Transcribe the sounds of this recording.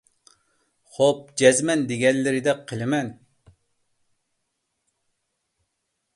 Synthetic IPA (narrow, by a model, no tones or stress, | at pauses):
χop̚d͡ʒɛzmɛnd̪eɡʲɛnlɪɾɪd̪ɛqʰəlˠɪmɛn